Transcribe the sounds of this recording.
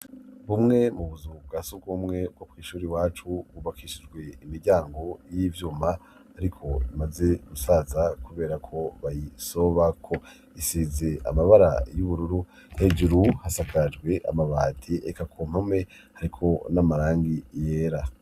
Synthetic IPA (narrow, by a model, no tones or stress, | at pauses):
βumŋe̞muβuzubɡasub̚ɡumŋe̞b̚ɡobɡiːʃuːɾiwaːt͡ʃuβuβakʰiʃid͡ʒɡwe̞imiɾɟaːŋɡo̞jivjuːmaː | ɾikʰo̞imaze̞ɡusazakuβe̞ːɾakʰo̞βajiso̞βakʰo̞ | isiːze̞a̰maβaɾa̰juβuɾuɾu | hed͡ʒuɾuhasakad͡ʒɡwe̞ʔa̰maβaːtʰiʔekakʰom̥hame | haɾikʰo̞namaɾaːŋɡijeːɾa